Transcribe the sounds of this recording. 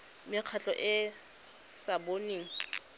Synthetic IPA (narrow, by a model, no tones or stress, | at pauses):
mɪq͡χʰat͡ɬʼɔʔɪ | saboniːŋ̩